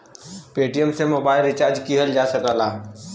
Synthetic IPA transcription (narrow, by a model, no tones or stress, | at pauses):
peːʈijəmsemoːbaːɪlɾɪt͡ʃaɾd͡ʒkiɦəld͡ʒasəkəlaː